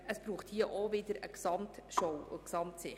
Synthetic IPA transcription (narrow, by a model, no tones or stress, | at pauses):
əsb̥ɾuːχthiəʔovɪdəɾə̰ksɑmt̪ʃowʊ̰ksɑmtsɪ